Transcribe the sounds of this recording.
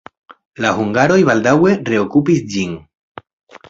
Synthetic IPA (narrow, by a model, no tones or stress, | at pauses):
lahuŋɡaɾo̞jβaldawe̞re̞okupisd͡ʒin